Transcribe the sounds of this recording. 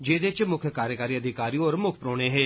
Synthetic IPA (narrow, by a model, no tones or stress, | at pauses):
d͡ʒeːd̪et͡ʃmʊkʰjəkaːɾjəkaːɾiːəd̪ʱɪkaːɾiɔːɾmʊkʰpɾoːɽ̃eɦɛː